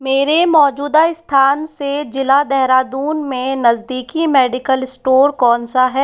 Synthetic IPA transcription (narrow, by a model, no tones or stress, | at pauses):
meːɾemɔːd͡ʒuːd̪aɪst̪ʰaːnsed͡ʒɪlad̪ɛɦɾaːd̪uːnmẽnɐzd̪iːkimɛːɖɪkəlɪsʈoːɾkɔːnsaɦɛː